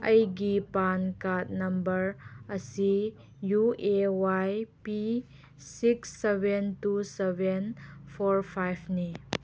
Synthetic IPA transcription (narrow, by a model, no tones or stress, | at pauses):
ɐjɡipankat̚nɐmbəɾɐsi | juewajpi | siksːebʱentusebenpʰoɾpʰajpʰni